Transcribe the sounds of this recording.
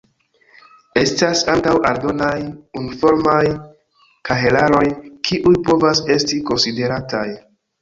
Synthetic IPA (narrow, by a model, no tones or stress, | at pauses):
e̞stasantawaɾdo̞najunifo̞ɾmaj | kʰaɦe̞laɾo̞jkʰiʔujpo̞vase̞stiko̞nside̞ɾataj